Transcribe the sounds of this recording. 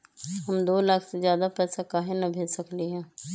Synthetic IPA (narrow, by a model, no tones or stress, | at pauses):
ɦɐmd̪oːlaːkʰsezjaːd̪apɛːsakaːɦenɐbʱeːd͡ʒsəkliɦɛ̃ː